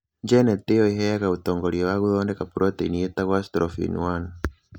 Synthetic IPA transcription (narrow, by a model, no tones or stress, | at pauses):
ɲd͡ʒɛnɛt̪ɛɔiɦɛjakaut̪ɔŋɡɔɾiɛwaɣuðɔndɛkapuɾɔt̪ɛiniɛt̪aɣwast̪ɾɔfḭnṵwana